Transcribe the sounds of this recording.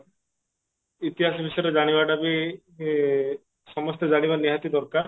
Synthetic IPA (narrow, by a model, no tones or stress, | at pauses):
it̪iɦasɔbʱisɔjɔɾed͡ʒaɽ̃ibaʈabi | sɔmɔst̪ɔd͡ʒaɽ̃ibaniɦat̪id̪ɔɾkaɾ